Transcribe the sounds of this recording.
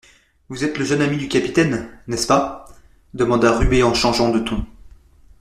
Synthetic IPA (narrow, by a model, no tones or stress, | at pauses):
vuzɛt̪ləʒənamid̪ykʲapi̥t̪ɛnːɛspa | d̪əmɑ̃d̪aʁyeɑ̃ʃɑ̃ʒɑ̃d̪ət̪ʰɔ̃